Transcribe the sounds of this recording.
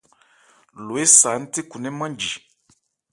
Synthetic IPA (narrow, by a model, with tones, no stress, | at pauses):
lo˨e˦saː˨˦n̩˦te˦ku˨nɛ˦mã˦n˦d͡ʒi˨